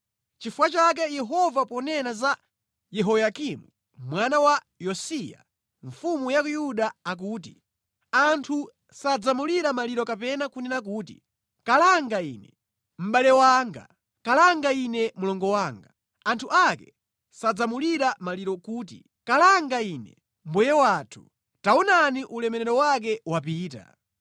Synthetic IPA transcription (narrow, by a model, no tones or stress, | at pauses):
t͡ʃifuwat͡ʃak̬ɛjɛɦɔvapɔnɛnaza | jɛɦɔjakimu | mwanawa | jɔsija̰ | ɱfumujak̬ujuɗaːk̬uːt̬i | antʰu | sad͡zamuliɾamaliɾɔkapɛnakunɛnak̬uːtḭ | kalaŋɡaiːnɛ̰ | m̩ɓalɛwaːŋɡa̰ | kalaŋɡainɛmulɔŋɡɔwaŋɡa | antʰuakɛ | sad͡zamuliɾamaliɾɔkuːt̬ḭ | kalaŋɡaiːnɛ̰ | m̩bwɛjɛwaːtʰu̥ | taunaniʔulɛmɛnɛɾɔwak̬ɛwapiːta̰